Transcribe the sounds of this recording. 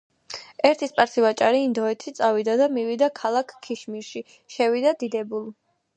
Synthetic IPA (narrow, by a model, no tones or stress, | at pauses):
ɛɾt̪ʰispʼaɾsivat͡ʃʼaɾiːnd̪ɔɛt̪ʰit̪sʼavid̪ad̪amiwid̪akʰalˠakʰːiʃmiɾʃi | ʃɛvid̪ad̪id̪ɛbulˠ